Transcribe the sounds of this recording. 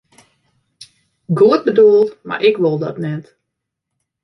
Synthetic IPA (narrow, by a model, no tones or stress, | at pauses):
ɡuət̚bəduəlˠtma̰rʔɪkʋolˠdɔ̰tnɛt